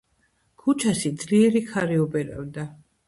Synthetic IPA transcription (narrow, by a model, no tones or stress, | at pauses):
kʰut͡ʃʰaʃid̪zliɛɾikʰaɾiɔbɛɾɛ̰vd̪a